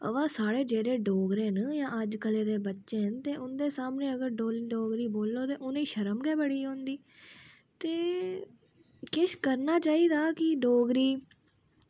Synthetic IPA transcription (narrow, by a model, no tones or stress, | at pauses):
ə̰ʋãːsaːɽeːd͡ʒeːɾeːɖoːɡɾẽːnjãːəd͡ʒkəleːd̪eːbətːʃeːɦənt̪eːʔʊnd̪eːsaːmneːəɡəɾɖoːlɖoːɡɾiːboːlːoːt̪eːʔʊniːʃəɾəmɡɛːbəɽiːɦõːnd̪iː | t̪eː | kɪʃkəɾnaːt͡ʃaːiːd̪aːkɪɖoːɡɾiː